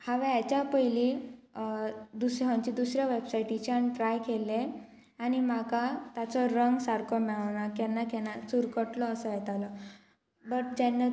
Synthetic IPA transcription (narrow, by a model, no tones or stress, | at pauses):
haʋaat͡ɕapəjli | d̪usɦãɲt͡ɕid̪usɾjaʋebsajʈit͡ɕanʈɾajkʰele | añim̤akat̪at͡sɔɾəŋɡsaɾkɔmɛɭaʋɳakɛnːakɛnasuɾkəʈlɔːsəjɛt̪alɔ | bəʈ̚d͡ʑanːa